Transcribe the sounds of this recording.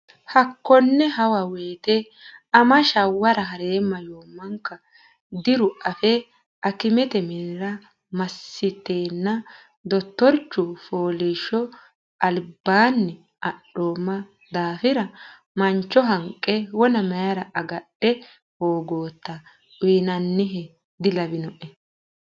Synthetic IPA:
hɐkːɔnːɛɦɐwɐweːt̪ɛ | ɐmɐʃɐwːɐɾɐɦɐɾe̞ːmːɐjo̞ːmːɐŋkːɐ | d̪ɪɾʊʔɐfɛ | ʔɐkɪmɛt̪ɛmɪɾɐ | mɐsːɪt̪ːeːnːɐ | d̪ɔt̪ːɔɾt͡ʃːʊfoːliʃɔ | ʔɐlbaːnːɪ | ʔɐɗoːmːɐ | d̪aːfɪɾɐ | mɐnt͡ʃːɔɦɐŋkʼːɛwɔnɐmɐjɐɾɐʔɐɡɐɗːɛ | hoːɡo̞ːt̪ːɐ | ʊjnɐnːɪɦɛ | d̪ɪlɐbɪnɔʔɛ

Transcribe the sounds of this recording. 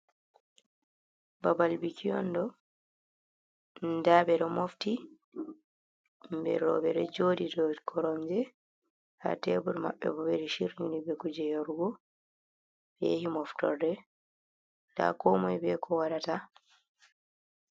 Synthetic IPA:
babalbikʰijɔ̰ndɔ | nndabɛɗɔmofti | mbɛ̰ɾɔbɛɾɛd͡ʒodidɔkʰɔɾɔɲd͡ʒɛ | ha̰tebuɾma̰ɓːɛ̰bɔbɛɾiʃiɾɲunibɛkud͡ʒɛjoɾuɡɔ | bɛjehimɔftɔ̰ɾdɛ | da̰kɔmɔjbɛkʰɔwadata

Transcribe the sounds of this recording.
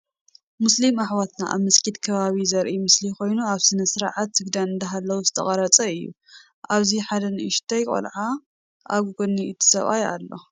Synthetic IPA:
muslimaħwat̪na̰ʔa̰βmɐskʰit̪kʰɐβaβizɐɾʔimɨsliko̞jnuaβsɨnɐsɨɾʕat̪ːɨɡd̪anɨnd̪ɐɦalːɐwuzɨt̪ʰɐχʼɐɾɐt͡sʼɐɨjːṵ | ʔaβziħad̪ɐnɨʔɪʃt̪ʰajkʼo̰lʕa | ʔaɡuɡoniɨt̪ʰːɨ̥sɐ̰βa̰ja̰lːo̞̰

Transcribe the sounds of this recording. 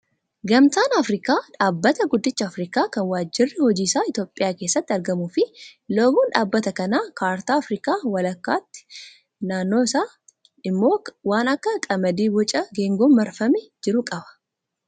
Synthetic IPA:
ɡɐmt̪aːnɐfɾɪkaːᶑaːbːɐt̪ɐɡʊd̪ːɪt͡ʃːɐːfɾiːkaːkɐnwaːd͡ʒːɪrːɪhɔd͡ʒiːsaːɪt̪jo̞ːpʼːɪjaːke̞ːsːɐt̪ːɪɐɾɡɐmuːfɪloːbuːnᶑaːbːɐt̪ɐkɐnaːkaːɾt̪aːɐfɾiːkaːwɐlɐkːa̰ːt̪ːɪ̥ | naːnːoːɪsaː | ɪmːo̞ːwaːnɐkːɐkʼɐmɐd̪iːbɔt͡ʃʼɐɡeːŋɡɔmmɐɾfɐmɛd͡ʒɪɾʊkʼɐbɐ̥

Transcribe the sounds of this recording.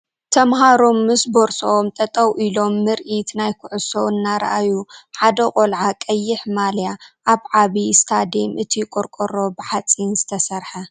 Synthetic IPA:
t̪ʰɐmɦaɾomːɨsboɾsoomt̪ʼɐt̪ʼɐwʔilo̞mːɨɾʔit̪najkʰʊʕʊsoɨnːaɾɐ̰ʔajuħad̪ɐkʼolʕakʼɐjːɪħmaljaʔaβʕaβist̪ʰad̪emʔɨt̪ʰikʼoɾkʼoɾo̞bɨħat͡sʼinzɨt̪ʰɐsɐɾħɐ

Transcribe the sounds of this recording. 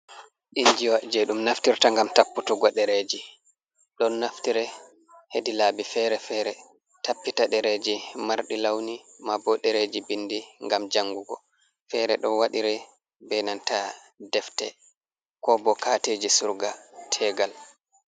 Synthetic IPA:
ɗiɲd͡ʒiwaʔd͡ʒɛɗumnaftiɾtaŋɡamtapːutuɡɔɗɛɾed͡ʒi | ɗɔnːaftiɾɛ | hedilaːbifɛɾɛfɛɾɛ | tapːitaɗɛɾed͡ʒimaɾɗilawnimabɔɗɛɾed͡ʒibindiŋɡamd͡ʒaŋɡuɡɔ | fɛɾɛɗɔnwaɗiɾɛ | bɛnanta | dɛftɛ̰ | kɔbɔkateːd͡ʒisuɾɡatʰɛɡal

